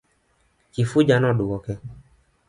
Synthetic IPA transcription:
kifud͡ʒanɔ̃ɖuwɔkɛ

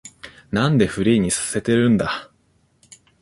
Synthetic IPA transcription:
nãnd̪e̞ɸɯ̟ɾʲiːɲ̟isḁse̞t̪e̞ɾɯ̟̃nd̪a

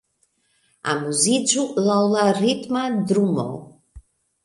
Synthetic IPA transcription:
a̰muzid͡ʒulawlarit̪mad̪ɾumɔ̰l

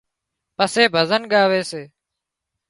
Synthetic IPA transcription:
pəseːbʱəzənɠaːʋeːseː

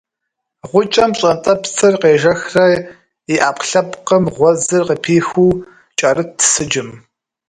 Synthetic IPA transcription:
ʁʷʊt͡ʃʼɐmɕʼɐntʼɐpt͡sʰɨrqeːʒɐxrɐ | iʔaːpɬɐpqəmʁʷɔzɨrqəpʰiːxuː | t͡ʃʼɐrɨtʰːsɨd͡ʒɪm

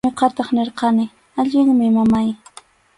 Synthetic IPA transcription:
ɪqɑt̪ɑχneɾqɑnɪ | aʎɪŋmɪmamaj

